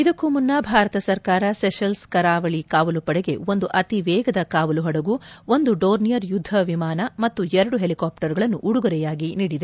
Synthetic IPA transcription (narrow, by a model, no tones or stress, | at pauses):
id̪ɐkːumunːɐbʱaːɾɐt̪ɐsɐɾkaːɾɐseʃɐlskɐɾaːʋɐɭikaːʋɐlupɐɽɛɡe̞̰ond̪uʔɐt̪iʋɛːɡɐd̪ɐkaːʋɐluɦɐɽɐɡuo̞nd̪uɖoːɾnijɐɾjud̪ʱːɐʋimaːnɐmɐt̪ːuɛɾɐɽuɦelikaːpʈɐɾɡɐɭɐnːuʔuɽuɡɐɾɛjaːɡiniːɽid̪e̞